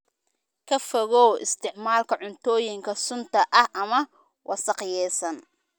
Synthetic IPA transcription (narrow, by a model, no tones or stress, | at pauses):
kʰɐfɔɣɔːɪst̪ʰɪʕmaːlkʰɐʕʊnt̪ʰɔːjɪŋkʰɐsʊnt̪ʰɐʔɐhʔɐmɐ | wʔɑsɑqjɛːsɐn